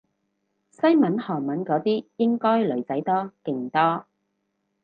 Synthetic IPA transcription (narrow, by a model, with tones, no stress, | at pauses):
sɐ˥jmɐ˨˥nhɔː˨˩nmɐ˨˥nkɔː˨˥t̪iː˥jɪ˥ŋkɔː˥jlɵ˨˩ɥt͡sɐ˨˥jt̪ɔː˥kɪ˨˧ŋt̪ɔː˥